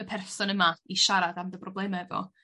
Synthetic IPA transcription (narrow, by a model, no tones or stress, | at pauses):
əpʰɛrssɔnəmaiʃaɾadamdəprɔblˠɛmaɛvɔ̰